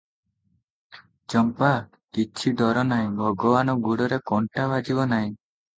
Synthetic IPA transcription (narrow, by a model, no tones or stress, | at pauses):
t͡ʃɔmpa | kit͡ʃʰid̪ɔɾɔnaj̃bʱɔɡɔbanɔɡuɽɔɾekɔɳʈabad͡ʒibɔnaj̃